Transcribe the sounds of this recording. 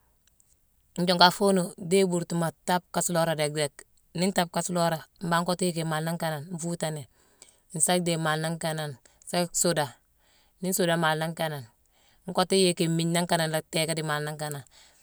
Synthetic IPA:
ɲ˦d͡ʒo˨ŋka˨fo˦no˨de˦bu˨ɾtu˨ma˨ta˦p̚ka˨slo˦ɾa˨de˨k̚de˨k | ni˦nta˦p̚ka˨slo˦ɾa˨m̩˦ba˦ŋ˦ko˦ti˦je˦ke˨ma˨lna˦ŋka˦na˨nɱ˦fuː˦ta˨ne˨ | n̩˨sa˦k̚de˨ma˨lna˦ŋka˦na˨n | sa˦so˦da˨ | ni˦n˦so˨da˨ma˨lna˦ŋka˨na˨n | ŋ˦ko˦ti˦je˦ke˨mi˨ɲna˦ŋka˦˨na˨nla˨te˦ka˦di˨ma˨lnːa˦ŋka˨na˨n

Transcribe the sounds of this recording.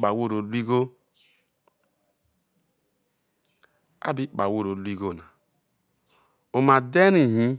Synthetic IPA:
k͡pa˨wo˦ɾo˨lʷi˦ɡo˦ | a̰˦bi˦k͡pa˨wo˦ɾo˨lu˦i˦ɡo˦˨na˨ | o˨ma˨de˦ɾi˨ɦi˦

